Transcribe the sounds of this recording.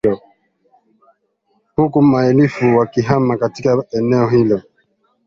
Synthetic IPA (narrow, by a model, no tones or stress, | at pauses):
ɔ | hukumaɛlifuwakiɦamakatikaɛnɛɔhilɔ